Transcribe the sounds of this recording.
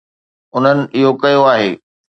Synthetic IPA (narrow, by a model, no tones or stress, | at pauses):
ʊn̤ənɪ̆ʔɪɦokɐjoaːɦeː